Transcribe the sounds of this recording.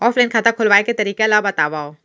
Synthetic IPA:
ɔːflaːnkʰaːt̪akʰʊlʋaːeket̪ɐɾiːkelabɐt̪aːʋaːoː

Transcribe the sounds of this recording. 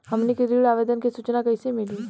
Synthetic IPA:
hɐmnekiɾiːɽaːʋeːd̪ənkisut͡ʃnakɐisemɪliː

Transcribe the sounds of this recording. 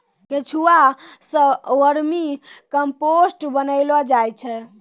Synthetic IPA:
ket͡ʃʰuasə̃wəɾmikəmposʈbənəɪlɔd͡ʒajt͡ʃʰɛ

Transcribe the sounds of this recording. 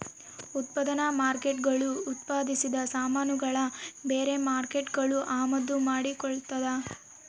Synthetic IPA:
ut̪̚pɐd̪ɐnɐmaːɾkeʈɡɐɭuːt̪paːd̪isid̪ɐsaːmaːnuɡɐɭɐbeːɾe̞maːɾke̞ʈɡɐɭuʔaːmɐd̪ːumaːɽikɔɭt̪ɐd̪ɐ

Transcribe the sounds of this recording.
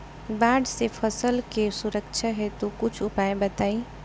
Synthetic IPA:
baːɖsepʰəsəlkesuɾəkt͡ʃʰaɦɛt̪okʊt͡ʃʰʊpaebət̪aːi

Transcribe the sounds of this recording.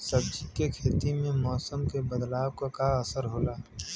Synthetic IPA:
sɐb̚d͡ʒikekʰeːt̪imẽmɔːsəmkebɐd̪laːwkakaɐsəɾɦoːlaː

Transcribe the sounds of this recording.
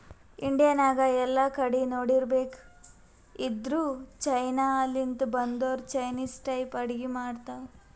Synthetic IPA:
iɳɖijɐnaːɡɐɛlːakɐɽinoːɽiɾbeːk | id̪ɾuːt͡ʃɐjnaːlint̪bɐnd̪oːɾt͡ʃɐjniːsʈɐjpɐɽiɡimaːɽt̪a

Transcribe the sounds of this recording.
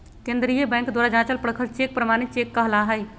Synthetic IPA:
kẽnd̪ɾijəbɛ̃ŋkd̪waɾad͡ʒãt͡ʃəlpɾəkʰəlt͡ʃek̚pɾəmanit̪̚t͡ʃekːəɦlaɦəj

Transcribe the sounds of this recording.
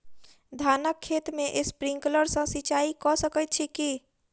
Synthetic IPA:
d̪ʱanəkʰːet̪meʔespɾĩŋkləɾsə̃sit͡ʃaikɔsəkət̪̚t͡ʃʰiki

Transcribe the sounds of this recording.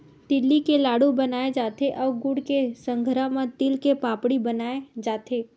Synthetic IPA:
t̪ɪlːikelaːɽubɐnaːed͡ʒaːt̪eʔɔːɾɡʊɽkesə̃ŋɡʱɾãmãt̪ɪlkepaːpɽibɐnaːed͡ʒaːt̪eː

